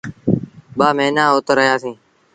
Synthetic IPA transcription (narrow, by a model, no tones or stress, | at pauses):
ɓaːmẽːnãːoːt̪əɾəɦjaːsĩː